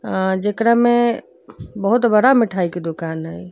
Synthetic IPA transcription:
d͡ʒekɾame | bəɦut̪bəɽamiʈʰajked̪okanɦəj

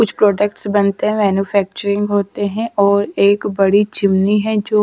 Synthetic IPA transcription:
kʊt͡ʃʰpɾɔːɖəkʈsbənt̪eɦɛ̃ːmɛːnuːpʰɛːk̚t͡ʃəɾɪ̃ŋɡɦoːt̪eɦɛ̃ːʔɔːɾeːkbəɽiːt͡ʃɪmniːɦɛ̃ːd͡ʒoː

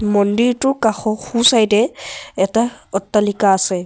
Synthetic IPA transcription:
mɔndiɹtʊkaxɔxusajtɛɛtaɔtːalikaːsɛ

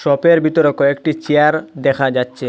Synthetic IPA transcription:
ʃɔpeɾbit̪oɾokoek̚ʈit͡ɕeaɾd̪ɛkʰad͡ʑatːɕʰe

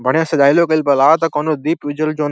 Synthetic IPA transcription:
bʱɐɽ̃jãːsɐɗaːilokɐɪlpɐlaːt̪ɐkoːnod̪iːpʊd͡ʑəld͡ʒoːn

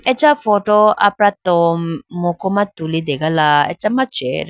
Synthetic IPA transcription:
ɛt͡ʃːafɔʈoa̰pɾat̪ommokomat̪ulid̪eɡalaɛ̰t͡ʃːamat͡ʃeɾ

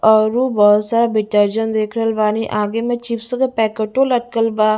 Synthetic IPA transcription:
ɔɾuːbɔːt̪saːɾaːbɪʈəɾd͡ʒənd̪eːkʰɾəlʋaːniʔaːɡemẽt͡ʃipsəɡəpɛːkəʈoləʈ̚kəlbaː

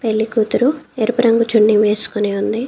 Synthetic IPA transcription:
peɭːikuːt̪uɾueɾipɐɾɐŋɡut͡ʃuɳːiŋʋeːsu̥koniːund̪i

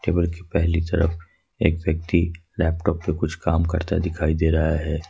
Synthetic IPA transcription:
ʈeːbəlkepɛɦlit̪ɐɾə̰f | ḛːkʋjək̚t̪ilɛːpʈɔːpːekʊt͡ʃʰkaːmkɐ̰ɾt̪a̰d̪ɪkʰaːid̪eːɾɐɦaɦɛː

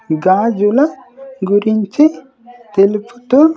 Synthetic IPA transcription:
ɡaːd͡ʒulaɡuɾint͡ʃi | t̪elpu̥t̪u

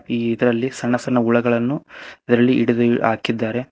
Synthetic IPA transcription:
iːd̪ɐɾɐlːisɐnːɐsɐɳːɐuɭɐɡɐɭɐnːuid̪ɐɾɐlːiʔiɽud̪a̰ːkid̪ːaːɾe̞

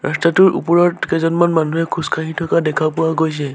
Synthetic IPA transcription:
ɹa̰statʊɹʔṵpɔɹɔtkɛzɔnmanmanuɦɛkʰuskʰaɦĩtʰɔkadɛkʰapʊwaɡojs̬ɛ

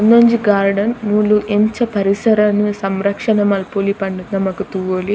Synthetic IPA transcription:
ɐnːoɲd͡ʒiɡaːɾɖɐnmulːuʔeɲt͡ʃɐpɐɾisɐɾɐnisɐmɾɐkʂɐnɐmɐlpoːlipɐɳɖunːɐmɐkut̪uʋoli

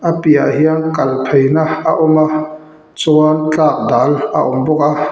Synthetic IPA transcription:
ʔapiaʔhiəŋkɐlpʰejnaaʔʊmaʔ | t͡suɐnt͡ɬaːk̚daːlʔaʔʊmbɔk̚a

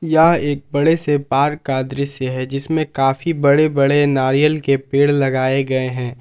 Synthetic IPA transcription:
jɐɦeːk̚bɐɽesepaːɾkːaːd̪ɾiseɦɛd͡ʒɪsmẽkaːfibɐɽebɐɽenaːɾijəlkepeːɽlɐɡaːeɡɐeɦɛ̃ː

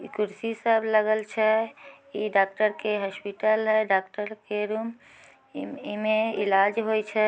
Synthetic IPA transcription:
kuɾsisəbʱləɡəlt͡ʃʰɛ | iɖak̚ʈəɾkeɦəspiʈəlɦɛɖak̚ʈəɾkeɾum | imeilad͡ʒɦojt͡ʃʰɛ

